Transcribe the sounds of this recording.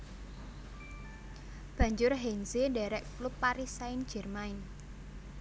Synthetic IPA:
b̥ä̤ɲd͡ʒʊrɦɛnseɖɛɾɛʔklupːaɾisaɪnd̥ʒ̥ɛ̤rmaɪn

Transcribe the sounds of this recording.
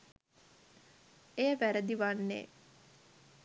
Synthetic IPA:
ejəʋæɾəd̪iʋanːḛː

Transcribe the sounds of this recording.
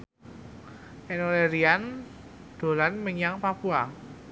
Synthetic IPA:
ʔɛnoleɾian | d̪̥o̤lanməɲaŋpapua

